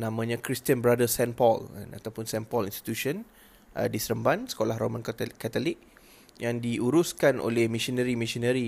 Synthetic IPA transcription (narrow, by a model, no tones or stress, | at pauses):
nãmãɲãkɾist̪iənbɾadəsɛnpɔla̰na̰t̪awpʊnsɛnpɔlinst̪i̥t̪usən | ʔə̰disəɾəmbansə̥kolahɾomãnkkat̪olik̚ | jaŋdiuɾuskanʔo̰lɛhmĩsɔnəɾimĩsɔnəɾi